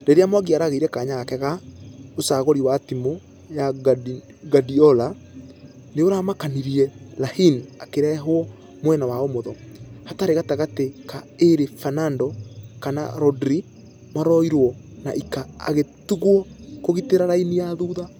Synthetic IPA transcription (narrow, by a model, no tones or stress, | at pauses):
ɾeɾeamwaɣiaɾaɣeiɾɛkaɲaɣakɛɣaosaɣɔɾiwaːtimo | ja | ɡadiɔla | neoɾamakaniɾiɛlahinakeɾɛɦoɔ | mwɛnawaomoðɔhataɾeɣataɣatekaeɾefanandɔkana̰ɾɔdɾi | maɾɔiɾwɔna̰ʔikaa̰ɣetuɣwɔkoɣiteɾaɾainijaðuːða